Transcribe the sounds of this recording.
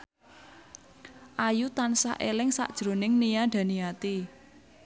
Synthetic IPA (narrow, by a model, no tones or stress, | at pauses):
ʔajut̪ansa̰ʔelɪŋsa̰ʔd̥ʒ̥ɾo̤nɪŋnijaɖ̥a̤niat̪i